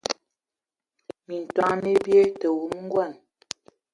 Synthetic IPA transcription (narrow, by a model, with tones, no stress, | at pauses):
mi˨n̩˨twa˦ŋne˦bje˦tə˨wu˨˦m˦ŋ̩˦ɡwa˦˨n